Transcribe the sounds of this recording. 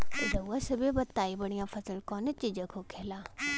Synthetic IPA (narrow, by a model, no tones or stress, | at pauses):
ɾɐwːasɐbebɐt̪ːaːibɐɽijãfɐsəlkɔːnet͡ɕid͡ʑə̃kʰokʰeːlaː